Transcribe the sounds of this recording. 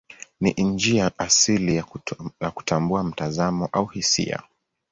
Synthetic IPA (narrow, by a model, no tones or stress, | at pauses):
niʔnd͡ʒiaʔasilijaku̥tʰambuam̩tazamɔʔauhisḭa̰